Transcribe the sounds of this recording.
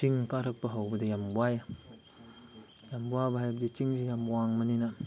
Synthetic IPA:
t͡ʃiŋkaɾɐk̚pɐɦawbɐdɐjambwaja | jambuabɐɦajbɐdit͡ʃiŋzijamwaŋmɐninɐ

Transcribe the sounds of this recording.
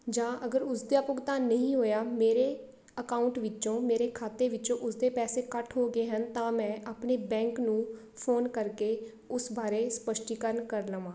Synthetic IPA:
d͡ʒãːʔəɡəɾʊsd̪jaːpʊɡt̪aːnəĩːɦoːjaːmeːɾeː | əkaːʊɳʈʋɪt͡ʃõːmeːɾeːkʰaːt̪eːʋɪt͡ʃõːʔʊsd̪eːpɛːseːkəʈʰɦoːɡeːɦənt̪ãːmɛ̃ːʔaːpɳeːbɛ̃ːŋknũː | pʰoːnkəɾkeː | ʊsbaːɾeːspəʃʈiːkəɾənkəɾləʋãː

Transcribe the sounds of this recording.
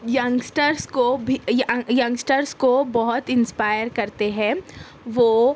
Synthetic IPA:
jɐ̃ŋɡsʈəɾskobʱijjɐ̃ŋɡsʈəɾskobɔɦʊt̪ɪ̃nspaːjəɾkɐɾt̪eɦɛ̃ | ʋoː

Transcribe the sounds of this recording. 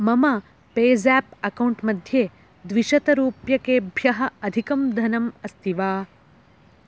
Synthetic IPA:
mɐmɐ | peːd͡ʒæːpɐkɐwɳʈmɐd̪ʱjeː | d̪ʋiʃɐt̪ɐɾuːpjɐkeːbʱjɐɦɐ̆ɐd̪ʱikɐmd̪ʱɐnɐmɐst̪ʰiʋaː

